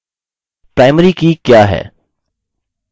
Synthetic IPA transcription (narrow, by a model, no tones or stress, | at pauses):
pɾaːɪməɾikikjaːɦɛ̰ː